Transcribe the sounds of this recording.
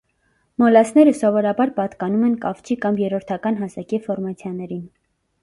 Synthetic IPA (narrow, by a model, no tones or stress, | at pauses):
mɔlɑsnɛɾəsɔvɔɾɑbɑɾpɑt̪kɑnumɛnkɑft͡ʃʰikɑmjɛɾɔɾt̪ʰɑkɑnɦɑsɑkifɔɾmɑt͡sʰjɑnɛɾin